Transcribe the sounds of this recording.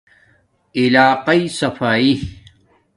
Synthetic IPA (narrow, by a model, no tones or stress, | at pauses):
ilaːqɐisɐfaːi